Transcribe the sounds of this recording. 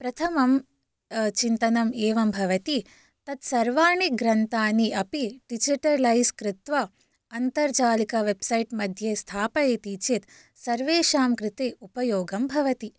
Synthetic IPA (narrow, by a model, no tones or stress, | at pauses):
pɾɐt̪ʰɐmɐm | t͡ʃint̪ɐnɐmeːʋɐmbʱɐʋɐt̪i | t̪ɐt̪sɐɾʋaːɳiɡɾɐnt̪aːniʔɐpiʈid͡ʒiʈɐɾlɐjskɾɪt̪ʋɐ | ɐnt̪ɐɾd͡ʒaːlikɐʋebsɐjʈmɐd̪ʱjeːst̪ʰaːpɐet̪it͡ʃet̪ | sɐɾʋeːʃaːmkɾɪt̪eːupɐjoːɡɐmbʱɐʋɐt̪i